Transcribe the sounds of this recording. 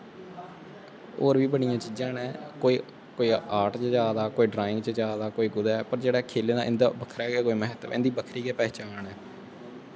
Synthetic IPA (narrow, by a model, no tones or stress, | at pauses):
o̰ːɾʋiːbəɽijãːt͡ʃiːd͡ʒãːnɛːkoːiː | koːiːaːʈt͡ʃd͡ʒaːd̪aːkoːiːɖɾaːɪ̃ŋɡt͡ʃəd͡ʒaːd̪aːkoːiːɡʊd̪ɛːpəɾd͡ʒeːɽɛːkʰeːleːd̪ãːʔɪ̃nd̪a̰ːbəkʰɾɛːɡeːkoːiːmɛɦət̪ɪ̰̃nd̪iːbəkʰɾiːɡeːpɛːt͡ʃaːnɛː